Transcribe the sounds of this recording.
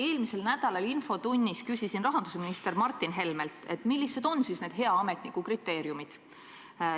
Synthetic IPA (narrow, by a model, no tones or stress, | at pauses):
e̞ːlmise̞lnæd̪̥ɑlɑlinfo̞t̪unʲːiskysisinrɑɦɑnd̪usminist̪e̞ɾmɑrt̪ːˑinɦe̞lme̞lt̪ˑe̞t̪ːˑmilːised̪̥o̞nsisne̞ːd̪̥ɦe̞ɑɑme̞t̪nikːukrit̪ːe̞ːɾjumid̪̥